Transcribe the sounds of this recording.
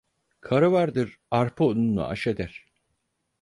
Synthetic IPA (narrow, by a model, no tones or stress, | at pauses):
kʰaɾɯvaɾd̪ɯɾ | aɾpʰɯonunːa̰ʔa̰ʃed̪æɾ̥